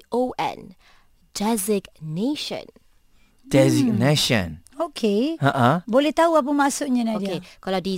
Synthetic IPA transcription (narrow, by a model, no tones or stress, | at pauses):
ʔoʔɛ̰̃n | dɛzɪɡneʃə̰̃n | d̥ɛziɡ̚neʃə̰̃nokʰeãʔãbolɛht̪auap̬əmãʔsʊʔɲãnãdiekaladi